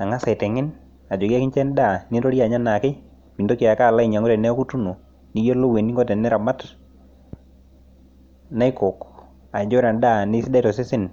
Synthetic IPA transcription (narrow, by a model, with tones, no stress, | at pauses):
a˨ŋa˦sa˨tɛ˨ŋɪ˦n | a˨d͡ʒo˨ɡa˦kɪ˦nt͡ʃɛ˦n˦da˦˨nɪ˦nɾo˦ɾja˨ɲa˦na˨kɪ˦ | mi˨ndo˦ki˨a˨ka˦˨la˦i˨ɲa˨ŋo˦ɾɛ˨nɛ˦ku˦tu˦no˨ | ni˦jo˦lo˦we˨ni˦ŋɡɔ˦tɛ˨nɛ˦ɾa˨ma˦t | na˦ɪ˦ko˨k | a˨d͡ʒɔ˦ɾa˨nda˦˨nɪ˦si˦da˦i˦tɔ˨sɪ˦sɪ˦n